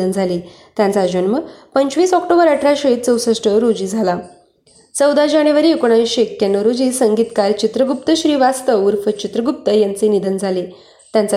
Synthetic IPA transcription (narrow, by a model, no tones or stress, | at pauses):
ənd͡zʱaliː | t̪jãnt͡sad͡ʑonməpəɲt͡ɕʋiːsɔk̚ʈobəɾəʈʰɾaɕəit̪̚t͡səwsəʂʈəɾod͡ʑiːd͡zʱala | t͡səwd̪ad͡ʑaɽ̃juʋaɾiːekoɽ̃aʋiɕeekjanːəɾod͡ʑiːsəŋɡiːt̪kaɾt͡ɕit̪ɾəɡup̚t̪əɕɾiːʋast̪əuɾfət͡ɕit̪ɾəɡup̚t̪əjãnt͡senid̪ənd͡zʱali | t̪jãnt͡sa